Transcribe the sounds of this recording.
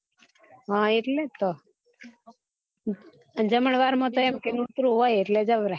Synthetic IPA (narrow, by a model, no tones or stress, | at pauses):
ɦãeʈlet̪o | d͡ʒəməɳ̃ʋaɾmãt̪oɛmkenut̪ɾuɦojeʈled͡ʒəʋɾe